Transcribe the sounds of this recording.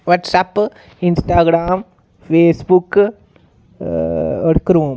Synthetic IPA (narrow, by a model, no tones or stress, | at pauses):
ʋɐʈsaːpː | insʈaːɡɾaːm | feːsbukːɨ | ɐɽukːɐɾɐʋɐm